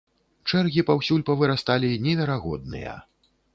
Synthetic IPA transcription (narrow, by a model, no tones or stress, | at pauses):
t͡ʂɛrɣʲipawsʲulʲpɐvɨɾast̪alʲinʲɛvʲɛɾaɣɔd̪nɨ̰jɐ̰